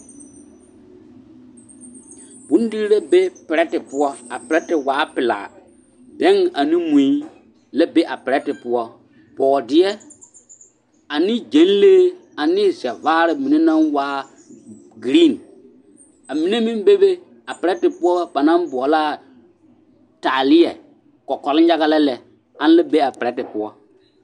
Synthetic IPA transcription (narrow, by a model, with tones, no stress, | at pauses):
bũ˦n˦di˦ɾɾe˦be˦pɪ˨ɾɛ˦tɪ˨pʊ˦ɔ˦a˨pɪ˨ɾɛ˦tɪ˨waː˨˦pɪ˨la̰ː˨ | dɛ˦ŋa˨nĩ˦mũ˨i˦ | lɛ˦be˦ʔa˨pɪ˨ɾɛ˦tɪ˨pʊ˦ɔ˦ | b̥ɔː˨dɪ˦ɛ˦ | a˨nɪ˦d͡ʒe˨˦nleː˦a˨nɪ˦zɛ˨vaː˦ɾɪ˨mi˨ne˦nã˦nwaː˦ | ɡɾi˦˨n | a˨mi˨ne˦mĩ˦m˦be˦be˦ | a˨pɪ˨ɾɛ˦tɪ˨pʊ˦ɔ˦ba˨nã˦m˦bɔ˨laː˦˨ | ta˨lɪ˦jɛ̰˨ | kɔ˨kɔ˨lɪ˦n˦ja˦ɣa˦lɛ˦lɛ˨ | ã˦n˦lɛ˦be˦a˨pɪ˨ɾɛ˦tɪ˨pʊ˦ɔ˦